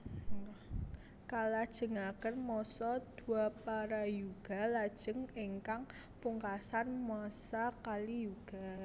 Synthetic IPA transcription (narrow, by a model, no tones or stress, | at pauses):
kalad̥ʒ̥ə̤ŋakənmɔsɔd̪̥uapaɾajuɡ̥a̤lad̥ʒ̥ə̤ŋeŋkaŋ | puŋkasanmasakalijuɡ̥a̤